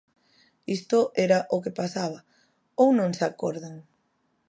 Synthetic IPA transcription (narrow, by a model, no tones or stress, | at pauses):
ist̪oʔɛɾaʔokepasaβɐ | ownõŋsakɔɾðaŋ